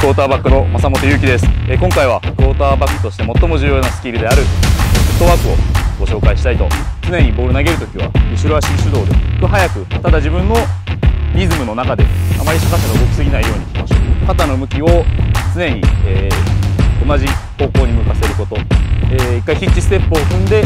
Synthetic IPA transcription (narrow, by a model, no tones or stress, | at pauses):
kɯoːt̪aːbakːɯ̟no̞masamo̞t̪o̞jɯ̟ːkʲid̪e̞sɨ̥ekõ̞ŋkaiβakɯo̞ːt̪aːbakːɯ̟̥t̪o̞ɕi̥t̪e̞mo̞t̪ːo̞mo̞ʑɨːjo̞ːnasɨ̥kʲiːɾɯ̟d̪e̞aɾɯ̟t̪ːo̞βaːkɯ̟o̞̰ɡ̥o̞ɕo̞ːkaiɕi̥t̪ait̪o̞̰t͡sɨne̞ɲ̟ibo̞ːɾɯ̟naɡe̞ɾɯ̟t̪o̞̥kʲiβa̰mi̟ɕiɾoaɕiɕɨd̪o̞ːd̪ekɯɦajakɯ̟t̪ad̪aʑibɯ̟̃nːo̞ɾʲizɨmɯ̟no̞nakad̪e̞amaɾʲiɕakaɕanoɡokʲi̥sɨɡʲinaijo̞ːɲ̟ikʲi̥maɕokat̪anomɯ̟kʲio̞t͡sɨne̞ɲ̟ieː | o̞naʑiho̞ːko̞ːɲ̟imɯ̟kase̞ɾɯ̟ko̞t̪o̞eikːaiçit͡ɕːisɨ̥t̪e̞pːɯoɸɯ̟̃nd̪e̞